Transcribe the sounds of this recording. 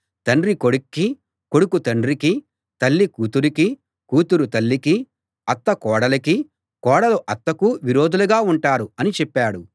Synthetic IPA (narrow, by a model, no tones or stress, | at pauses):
t̪ɐɳɖɾikoɽukːi | ko̞ɽukut̪ɐɳɖɾiki | t̪ɐlːikuːt̪uɾiki | kuːt̪uɾut̪ɐlːiki | ɐt̪ːɐkɔːɽɐlɐki | kɔːɽɐluʔɐt̪ːɐkuʋiɾoːd̪uluɡaːuɳʈaːɾuɐnit͡ʃɛpːaːɽu